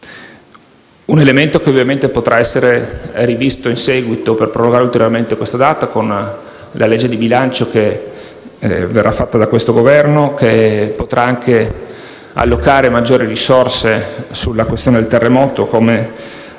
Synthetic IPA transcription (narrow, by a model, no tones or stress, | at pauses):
unelement̪okeovːjament̪epot̪ɾʔaɛsːeɾerivist̪oinsɛːɡwit̪operpɾoloɡaɾult̪eɾjorment̪ekwest̪ad̪aːt̪akon | lʔaled͡ʒːed̪ibilant͡ʃoke | verːʔafːat̪ːad̪akwest̪oɡovɛrnokepot̪ɾʔaaŋkʰe | a̰lːokaːɾemad͡ʒːoːɾirisorsesulːakwest̪joːned̪elt̪erːemɔːt̪okome